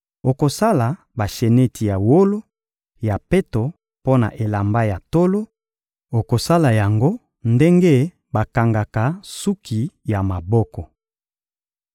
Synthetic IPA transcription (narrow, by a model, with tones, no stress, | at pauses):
o˨ko˨sa˦la˨ | ba˨ʃe˨ne˦ti˨ja˨wo˦lo˦ | ja˨pe˦to˨ | po˦na̰˨ʔe˨la˨mba˦ja˨to˦lo˦ | o˨ko˨sa˦la˨ja˨ŋɡo˦ | nde˦ŋɡe˦ | ba˨ka˨ŋɡa˨ka˨su˦kʰi˨ja˨ma˨bɔ˦kɔ˨